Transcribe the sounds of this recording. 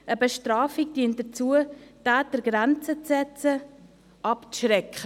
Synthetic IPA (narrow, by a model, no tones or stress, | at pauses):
ʔəbəʃtɾaːfikd̥iənt̚d̥ət͡suətaːtəɾɡɾɛnt͡sət͡sːɛt͡sə | ʔɑpt͡sʃrɛkʰə